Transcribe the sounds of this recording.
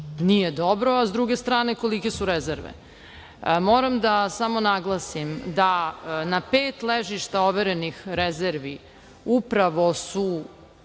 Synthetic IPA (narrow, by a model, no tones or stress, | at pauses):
nijed̪o̞bɾoazd̪ɾuɡe̞st̪ɾaːne̞ko̞like̞suɾezeɾʋḛ | moːɾamd̪asamo̞naɡlˠasimd̪anapeːt̪leʒiʃt̪ao̞ʋeɾenixɾezeɾʋi | upɾaʋo̞su